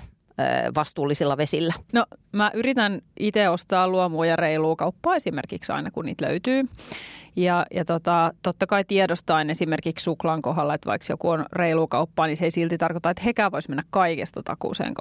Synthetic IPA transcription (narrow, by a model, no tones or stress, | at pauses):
ʋɑst̪uːlːisilːɑʋesilːænomæʔyrit̪ænʔit̪eost̪ɑːluomuːjɑreiluːkɑupːɑːesimḛrkiksɑ̰inɑkuniːt̪lø̰yt̪yː | jɑjɑt̪ot̪ɑt̪ot̪ːɑkɑit̪iɛdost̪ɑinesimerkikssuklɑŋkoɦɑlːɑet̪ʋɑ̰iksjo̰kuonreiluːkɑupːɑːniseisilt̪it̪ɑrkot̪ɑet̪hekæːʋoismenːækkɑikest̪ɑt̪ɑ̰kṵːsḛːŋk